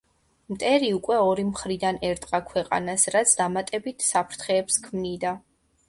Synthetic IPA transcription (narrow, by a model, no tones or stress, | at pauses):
mt̪ʼɛɾiukʼwɛɔɾimχɾid̪anɛɾt̪ʼqʼakʰwɛqʼa̰nasɾat̪sʰd̪amat̪ʼɛbit̪ʰsapʰɾt̪ʰχɛːpskʰmnid̪a